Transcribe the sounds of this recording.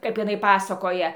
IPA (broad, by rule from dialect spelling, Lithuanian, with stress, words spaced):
ˈkɐp ɪˈnɐɪ ˈpɑːsɐkoːjɛ